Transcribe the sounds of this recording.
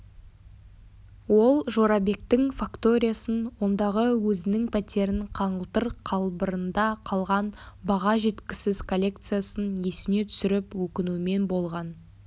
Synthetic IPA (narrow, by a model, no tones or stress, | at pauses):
wo̞lˠʒo̞ɾɑbe̞k̚t̪ɪŋfakt̪o̞ɾʲijasənwo̞nd̪ɑʁəwɵzɪnɪŋpʰæt̪e̞ɾɪŋqʰɑɴəlˠt̪əɾqʰɑlˠbəɾənd̪ɑqʰɑlˠʁɑnbɑʁɑʒe̞t̪kʲɪ̥sɪzkʰolʲːe̞kt̪sɨjasənje̞sɪne̞t̪ʰʏ̥sɪɾɪpwɵkʲɪnume̞nbo̞lˠʁɑn